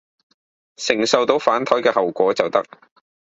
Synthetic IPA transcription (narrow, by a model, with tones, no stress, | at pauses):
sɪ˨˩ŋsɐ˨wt̪o˨˧wfaː˨˥nt̪ʰɔː˨˥jkɛː˧hɐ˨wkʷɔː˨˥t͡sɐ˨wt̪ɐ˥k̚